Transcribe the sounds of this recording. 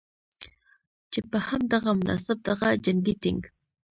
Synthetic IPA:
t͡ʃepəhamd̪ɑʁamʊnʔɑ̰ːsɪb̚d̪ɑʁɑd͡ʒaŋɡit̪ɪ̰ŋɡ

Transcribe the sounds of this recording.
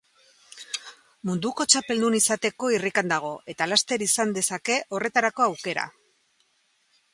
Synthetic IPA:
mund̪uko̞t͡ʃape̞ld̪unisat̪e̞ko̞irikand̪aɣ̞o̞ʔe̞t̪alast̪e̞ɾisand̪e̞sake̞ʔo̞re̞t̪aɾako̞awke̞ɾa̰

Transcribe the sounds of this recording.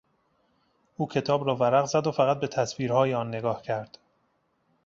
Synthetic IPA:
ʔuːcʰe̞t̪ʰɒːbɾɒːvæɾæɣzæd̪ofæɣæt̪̚be̞t̪ʰæsviːɾhɒːjeɒːnːe̞ɡɒːhcʰæɾd̪̥

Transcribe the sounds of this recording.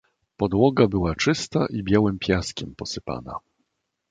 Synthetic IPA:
pɔd̪wɔɡabɘwat͡ʂɘst̪aʔibʲjawɘmpʲjaskʲɛmpɔsɘpa̰na̰

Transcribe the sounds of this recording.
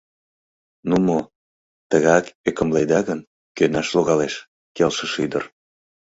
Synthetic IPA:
numo | t̪əɣɑkekəmled̪ɑɣən | kønɑʃloɣɑleʃ | kelʃəʃyd̪ə̰r

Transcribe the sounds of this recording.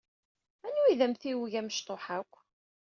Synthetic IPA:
ænuiðæmθiwəʝæməʃt̪ˤoħakʷː

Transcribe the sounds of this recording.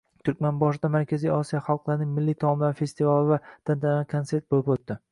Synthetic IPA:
t̪ʰʊɾkʲmanbɒʃɪd̪amaɾkʲʰazijɒsijaχɑlˠqlˠaɾɪnɪŋmɪlːit̪ʰɒmmlaɾfe̞st̪ivalˠɪvad̪̥ant̪ʰaakʰonse̞ɾt̪̚bolɪpot̪ːɪ

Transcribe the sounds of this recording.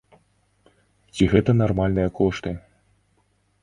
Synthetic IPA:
t͡sʲiɣɛt̪ɐnarmalʲnɨjɐkɔʂt̪ɨ

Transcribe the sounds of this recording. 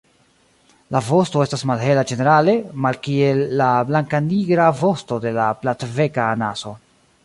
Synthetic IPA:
lavo̞sto̞e̞stasmalɦe̞lad͡ʒe̞ne̞ɾale̞malkie̞lːablaŋkaniɡɾavo̞sto̞de̞laplatve̞kaːna̰so̞

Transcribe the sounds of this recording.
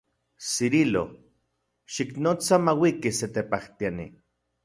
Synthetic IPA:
siɾilo̰ | ʃiknot͡samawikiset̪epaht̪ianḭ

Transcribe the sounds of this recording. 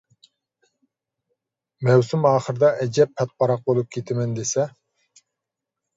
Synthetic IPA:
mɛwsumɑːχəɾɨd̪ɑʔɛd͡ʒɛpʰːɛt̪̚bɑɾɑq̚bolˠup̚kʲʰet̪ʰɪmɪnd̪esɛ

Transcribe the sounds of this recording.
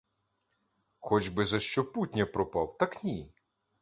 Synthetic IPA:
xɔt͡ʃbɪzɐʃt͡ʃɔputʲnʲɐpɾɔpɑwt̪ɐknʲi

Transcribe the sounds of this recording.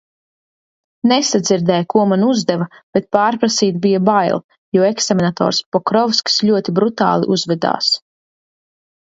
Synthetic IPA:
nesad̪ziɾd̪ɛjkuɔmanuzd̪ɛvab̥et̪̚paːɾpɾasiːt̪bijabajlˠ | juɔeksamʲinat̪ɔ̰ːɾspɔkɾɔvskslʲuɔt̪ibɾut̪a̰ːlˠḭʔuzvɛd̪a̰ːs

